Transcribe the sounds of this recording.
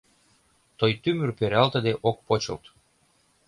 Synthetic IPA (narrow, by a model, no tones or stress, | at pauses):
t̪ojt̪ymyrpeɾɑlt̪ə̆d̪eʔok̚pot͡ɕɤ̰lt̪